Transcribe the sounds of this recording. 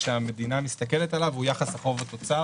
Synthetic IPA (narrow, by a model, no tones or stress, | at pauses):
ʃeame̞dinamist̪ake̞letalavhujaχasaχo̞vat̪o̞t͡sa